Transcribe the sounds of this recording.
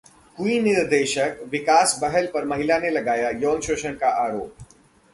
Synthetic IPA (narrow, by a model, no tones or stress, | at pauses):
kuinɪɾd̪eːʃəkʋɪkaːsbɐɦəlpɐɾmɐɦɪlanelɐɡaːjajɔːnʃoːʃəɽ̃kaʔaːɾoːp̚